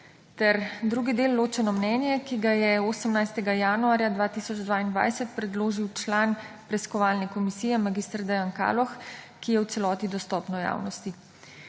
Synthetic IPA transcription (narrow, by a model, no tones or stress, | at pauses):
t̪ɛɾd̪ɾuɡid̪eːlːoːt͡ʃɛnɔmnɛːnjɛkiɡajɛoːsəmnajst̪ɛɡajaːnuaːɾjad̪ʋaːt̪iːsɔd͡ʒd̪ʋaːind̪ʋa̰jsɛt̪pɾɛd̪loːʒiwt͡ʃlaːn | pɾɛskɔʋaːlnɛkɔmisiːjɛmaɡiːst̪ɾd̪ɛjanka̰ːlɔx | kijɛwt̪sɛlɔːt̪id̪ɔst̪ɔːpnɔja̰ːwnɔst̪i